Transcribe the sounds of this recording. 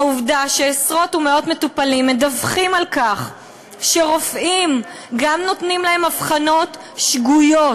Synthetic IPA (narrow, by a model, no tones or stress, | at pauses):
uvdaʃeːsʁo̞tumeo̞tme̞tupalimːedavχimalkaχ | ʃeʁo̞fʔim | ɡamno̞tnimlahe̞mafχano̞t | ʃɡujo